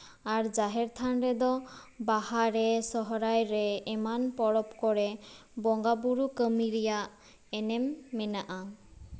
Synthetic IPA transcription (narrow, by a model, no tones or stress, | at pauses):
aɾd͡ʒaɦɛɾt̪ʰanɾɛd̪ɔ | bahaɾɛsɔɦɔɾajɾɛːmanpɔɽɔpkɔɾɛbɔŋɡabuɾukəmiɾɛjaʔ | ɛnɛmːɛnaʔa